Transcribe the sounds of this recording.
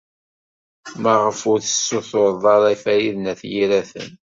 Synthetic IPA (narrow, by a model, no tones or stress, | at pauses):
mæʁəfʊɾθə̥sːʊθʊɾðˤɑɾˤæfæjiðnæθjiɾæθə̰n